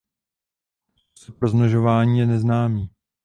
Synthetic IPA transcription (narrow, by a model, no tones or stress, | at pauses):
sɛpɾoznoʒovaːɲiːjɛnɛznaːmiː